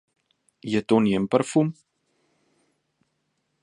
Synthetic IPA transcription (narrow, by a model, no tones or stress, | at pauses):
jətɔniəmpərfum